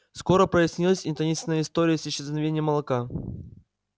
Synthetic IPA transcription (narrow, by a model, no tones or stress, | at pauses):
sko̞ɾəpɾəjɪsʲnʲilˠəsʲɪnʲt̪ɐnʲisʲnəjəɪst̪o̞ɾʲɪjəsʲɪɕːɪznɐvʲenʲɪjəmːəlˠɐka